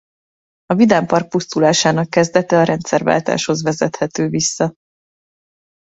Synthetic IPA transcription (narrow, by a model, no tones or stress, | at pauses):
ɒvid̪aːmpɒrk̚pust̪ulaːʃaːnɒkːɛzd̪ɛt̪ɛɒɾɛnt̪sɛrva̰ːlt̪a̰ːʃho̞zvɛzɛt̪hɛt̪øːvisːɒ